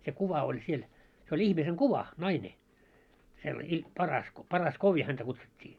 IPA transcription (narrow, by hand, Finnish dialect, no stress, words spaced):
se kuʋɑ olʲ siel se olʲ ihmiseŋ kuʋɑ nɑine selːɑ i pɑrɑsko pɑrɑskoːʋi hæntæ kutsutʲːiː